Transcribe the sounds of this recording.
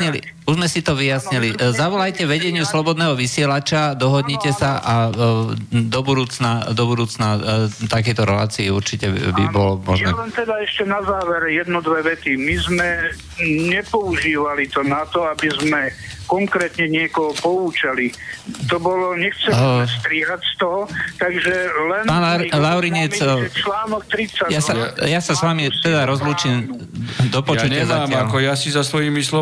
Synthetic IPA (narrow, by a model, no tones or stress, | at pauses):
ɲili | uzmɛsit̪ɔʋijasɲilizaʋɔlajcɛʋɛɟɛɲɪuslɔbɔd̪nɛːɦɔʋisɪɛlat͡ʃad̪ɔɦɔd̪ɲicɛsaʔa | d̪ɔbud̪uːt͡snad̪ɔbud̪uːt͡snat̪akɛjt̪ɔɾɛla̰ːt͡siiuɾt͡ʃicɛbḭbɔlɔmɔʒjnɛ̰lɛnt̪ɛd̪aɛʃcɛnazaːʋɛɾjɛd̪nɔd̪ʋɛʋɛt̪imizmɛ | ɲɛpɔuʒiːʋalit̪ɔnat̪ɔabizmɛkɔŋkɾɛːt̪ɲɛɲɪɛkɔɦɔpɔuːt͡ʃalit̪ɔbɔlɔɲɛxt͡sɛst̪ɾiːɦacst̪ɔɦɔt̪aɡʒɛlɛnpalaʊɾiɲɛt͡sɛt͡ʃlaːnɔk̚t̪ɾit͡sːajasajasasʋamit̪ɛd̪aɾɔzluːt͡ʃiɛm | d̪ɔpɔjt͡ʃucɲɪazaːmakɔjasizasʋɔjimislɔ